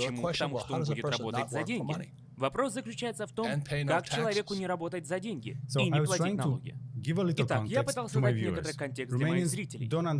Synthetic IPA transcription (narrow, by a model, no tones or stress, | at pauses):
t͡ɕɪmuət̪ɐmuʂtt̪oboɪudʲɪrɐbbo̞t̪ətʲzɐdʲenʲɡɪ̰ | vɐpɾo̞szəklʲʉt͡ɕæjɪt̪səft̪o̞mnʰekakt͡ɕɪlˠɐvʲe̞kʊnʲɪɾɐbo̞t̪əjɪt̪ʲzɐdʲenʲɡʲɪ̰sinʲɪplɐɪnɐoɡʲɪ̰jə̰ɡɪvəlit̪ɪt̪ajapɨt̪alˠsʲəzavjnekət̪əɾɨjkɐnʲtʲeksemzɾʲitʲɪlʲɪ̰jd̪ona